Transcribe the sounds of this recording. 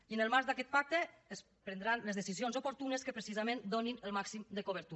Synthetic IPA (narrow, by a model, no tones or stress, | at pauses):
iənəlˠmaɾzd̪akɛt̪̚pak̚t̪eː | s | pɾənd̪ɾanləzðesizionzopoɾt̪unəskəpɾəsizamẽnd̪oninəlˠmaksimd̪əkoβ̞əɾt̪u